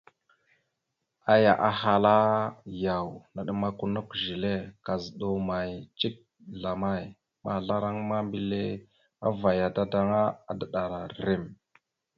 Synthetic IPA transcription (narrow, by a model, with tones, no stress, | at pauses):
a˦ja˨ʔa˦ɦa˨la˦ja˨wna˨ɗə˦ma˦ku˦nu˦kʒi˨le˦ka˨zɗo˨ma˨jt͡ʃi˦k̚ | ɮa˨ma˦j | ma˨ɮa˦ɾa˦ŋma˦mbi˦le˦ | a̰˦va˨ja˨da˦da˦ŋa˦a˦də˨ɗa˨ɾa˨ɾe˦˨m